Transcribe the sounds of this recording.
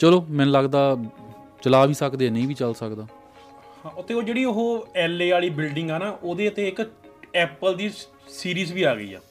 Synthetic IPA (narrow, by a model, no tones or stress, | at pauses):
t͡ʃəloːmɛ̃ːnləɡd̪aː | t͡ʃəlaːʋiːsəkd̪eːnəĩːbiːt͡ʃəlsəkd̪aː | hãːʊt̪eːoːd͡ʒeːɽiːʊɦoːɛːleːaːliːbɪlɖɪ̃ŋɡɛːnaːʔoːd̪eːət̪eːɪkɛːpəld̪iː | siːɾiːzʋiːaːɡəḭːɛ̰ː